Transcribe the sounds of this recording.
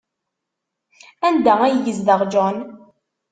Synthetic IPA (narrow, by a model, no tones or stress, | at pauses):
ænd̪ææjəʝəzðəʁd͡ʒɔn